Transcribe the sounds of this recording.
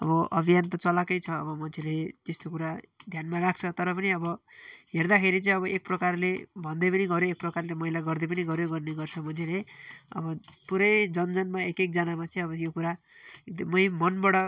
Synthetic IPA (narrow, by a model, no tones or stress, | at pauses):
ʌ̰bʌʔʌ̰bʱijant̪ʌt͡sʌlakʌjt͡sʰʌːbʌmʌnt͡sʰelet̪est̪okuɾad̪ʱjanmarak̚t͡sʰʌt̪ʌɾʌpʌniʌbʌɦerd̪akʰeɾit͡sʌĩʌβʌʔek̚prʌkarlebʱʌnd̪ʌpʌniɡʌɾjoek̚prʌkarlemʌɦilaɡʌrd̪ʌp̬ʌniɡʌɾjoɡʌrneɡʌrt͡sʰʌmʌnt͡sʰeleʌ̰bʌpuɾʌjd͡zʌnd͡zʌnmaekek̚d͡zʌnamat͡sʌĩʌbʌjokuɾa | mʌjmʌnbʌɽʌ